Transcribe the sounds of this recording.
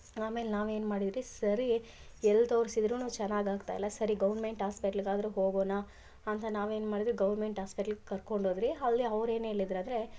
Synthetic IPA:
aːme̞lenaːʋe̞ːnmaːɽid̪ɾisɐɾi | ɛlːɐt̪oːɾsid̪ɾuːnuːt͡ʃɛnːaːɡaːɡt̪a̰jḭlːɐsɐɾiɡɐʋɐɾme̞ɳʈaːspiʈɐliɡaːd̪ɐɾuɦo̞ːɡoːna | ɐnt̪ɐnaːʋe̞ːnmaːɽid̪ɾiɡɐʋɐɾme̞ɳʈɦaːspiʈɐlɡekɐɾko̞ɳɖoːd̪ɾiɐlːiɐʋɾe̞ːneɐlːid̪ɾaːd̪ɾe

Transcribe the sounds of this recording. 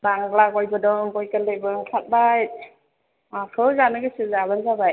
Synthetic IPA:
baŋɡlaɡɔjbɯdɔŋkɔjkəlebɯŋkʰat̚bajt̚ | akʰɯzanɯɡɯsɯzabanzabaj

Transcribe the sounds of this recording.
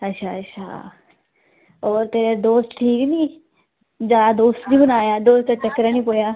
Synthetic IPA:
ətːʃʰaːətːʃʰa̰ː | ɔːɾt̪eːɾed̪oːst̪ʈʰiːknĩː | d͡ʒaːd̪oːst̪nĩːbənaːjaːd̪oːst̪at͡ʃəkːəɾanĩːpoːjaː

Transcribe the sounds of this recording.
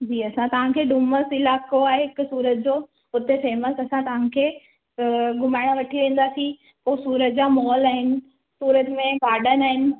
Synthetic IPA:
d͡ʑiːɐsãt̪ɐʋ̤ãkʰeːɖuməsɪlaːkoaːeɦɪkʊsuːɾət̪d͡ʑoː | ʊt̪efeːməsɐsãt̪ɐʋ̤ãkʰeː | ɡʊmaːɪɽ̃ʋɐʈʰiʋẽːn̆d̪aːsĩ | poːsuːɾət̪̚d͡ʑaːmɔːlaːɦɪnɪ̆ | suːɾət̪mẽpaːɗənaːɦɪnɪ̆

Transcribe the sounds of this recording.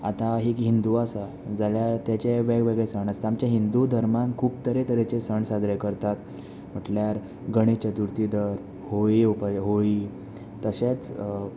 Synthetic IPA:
a̰t̪aɦiːkɦind̪uasa | d͡zaljaɾt̪jat͡ɕeʋeɡʋeɡɭesəɳase̥t̪amt͡ɕjaɦind̪ud̪ʱəɾmankʰuːp̚t̪əɾet̪əɾet͡ɕesəɳsad͡zɾekəɾt̪at̪ | m̤əʈljaɾ | ɡəɽ̃et͡ɕət̪uɾt̪id̪əɾ | hoiupajɦoi | t̪əɕet͡s

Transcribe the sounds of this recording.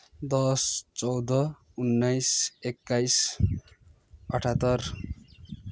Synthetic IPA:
d̪ʌst͡sʌwd̪ʌ | unːajsekːajs | ʌʈʰat̪ːʌr

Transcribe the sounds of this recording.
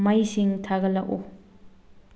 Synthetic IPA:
majsiŋtʰaɡɐlɐk̚u

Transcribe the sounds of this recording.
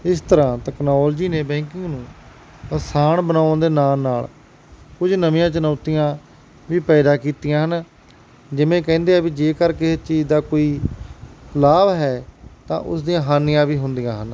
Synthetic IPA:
ɪst̪əɾãːt̪ɛːknaːləd͡ʒiːneːbɛ̃ːŋkɪ̃ŋɡnũː | əsaːɳbənãːd̪eːnaːlnaːl | kʊd͡ʒnəmɪ̃jãːt͡ʃənaːt̪ijãː | ʋiːpɛːd̪aːkiːt̪ijãːɦən | d͡ʒɪmẽːkɛ̃ːnd̪eːaːbiːd͡ʒeːkəɾkeːɪst͡ʃiːd͡ʒd̪aːkoːiː | laːʋɦɛːt̪ã̰ːʔʊ̰sd̪ijãːɦaːnɪjãːʋiːɦʊnd̪ijãːɦən

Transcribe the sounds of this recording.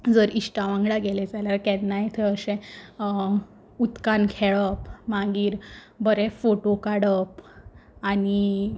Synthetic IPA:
d͡zəɾiɕʈaʋãŋɡɭaɡeled͡zaljaɾkɛːajet̪ʰəəsẽ | ut̪kankʰeɭəpmãŋɡiːɾ | bəɾefoʈokaɽəp | ani

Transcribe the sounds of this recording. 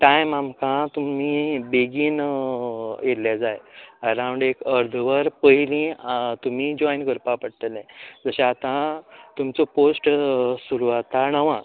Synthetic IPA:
ʈãjmamkʰãt̪umibeɡiːn | jelad͡zajəɾãw̃ɳɖekəɾd̪ʱʋəɾpəɦilĩt̪um̤id͡ʑɔjnɡəɾpapəɽt̪əlɛ̃d͡zəɕaat̪ãt̪umt͡sɔposʈsuɾuat̪aɳəʋã

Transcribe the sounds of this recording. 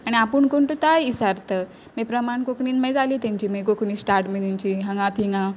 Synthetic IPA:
aɽ̃iapəːɳkoɳʈut̪ajisaɾt̪əː | mepɾəmaɳkokɳiːnmejd͡zaliːt̪jãɲt͡ɕiːmik̬okɳiːsʈaɾʈmid̪iɲt͡ɕiːɦãŋɡãt̪ʰiŋɡã

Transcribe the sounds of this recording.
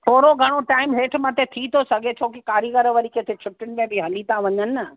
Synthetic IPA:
t̪ʰoːɾoɡʱɐɽ̃oʈaːɪmɦeːʈʰmət̪ʰet̪ʰit̪ʰosɐɡʱet͡ɕʰoːkikaːɾiɡəɾʋɐɾikʰet̪ʰet͡ɕʰʊʈːʊnɪ̆mẽbɪɦɐlit̪ãʋɐɲənɪə

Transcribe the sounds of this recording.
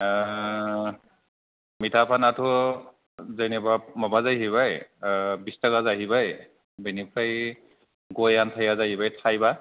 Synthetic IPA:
mitʰapʰanatʰʊ | zenɛbamɔbazajɦiβajbistakazaɦibaj | benipʰaj | ɡojantʰajazaɦibajtʰajba

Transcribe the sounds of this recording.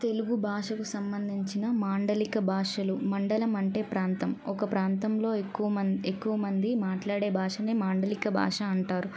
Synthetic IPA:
t̪e̞luɡubʱaːʂɐkusɐmbɐnd̪ʱiɲt͡ʃinɐmaːɳɖɐlikɐbʱaːʂɐlumɐɳɖɐlɐmɐɳʈe̞ːpɾaːnt̪ɐmɔkɐpɾaːnt̪ɐmlo̞ːekːuʋɐɐekːuʋɐmɐnd̪imaːʈlaːɽe̞ːbʱaːʂɐneːmaːɳɖɐlikɐbʱa̰ːʂɐɐɳʈaːɾu

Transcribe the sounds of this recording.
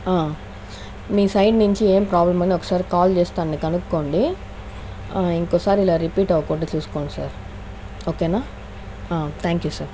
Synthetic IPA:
aː | miːsɐjɖnuɲt͡ʃieːmpɾaːblɐmɐɳɖiɔkːɐ̥saːɾikaːlt͡ʃeːst̪aːnɐnikɐnukːo̞ːɳɖi | iŋkɔːsaːɾiilaːɾipiːʈɐʋwukuɳʈeːt͡ʃuːsu̥koːɳɖisaːɾ | oːkeːnaː | aːt̪ʰaːŋkjuːsaːɾ

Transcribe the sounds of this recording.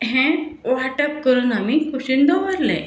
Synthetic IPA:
ɦɛ̃ʋaʈəp̚kəɾuːnamiːkʰuɕind̪ɔʋəɾlḛ

